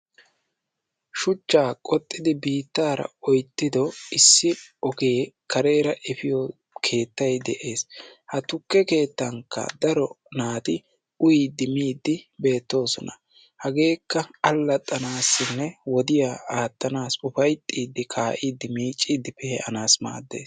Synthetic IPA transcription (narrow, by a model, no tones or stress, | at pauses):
ʃʊt͡ʃːaːkʼɔt̪ʼːɪd̪ɪbiːt̪ːaːɾɐ̰ɔjt̪ːɪd̪ɔɪsːɪɔɡe̞ːkɐɾe̞ːɾɐʔɛfɪjɔ | kʰe̞ːt̪ːɐjd̪ɛʔe̞ːshɐt̪ʊkːɛke̞ːt̪ːɐŋkːɐ̰d̪ɐɾɔ | naːt̪ɪ | ʊjid̪ɪmiːd̪ːɪbe̞ːt̪ːo̞ːsɔnɐ | hɐɡe̞ːkːɐɐlːɐt̪ʼːɐnaːsːɪnːɛwɔd̪ɪjaːaːt̪ːɐnaːsʊfɐjt̪ʼːiːd̪ːɪkʰaːʔiːd̪ːɪmiːt͡ʃʼːiːd̪ɪpɛhɛʔɐnaːsma̰ːd̪ːe̞̰ːs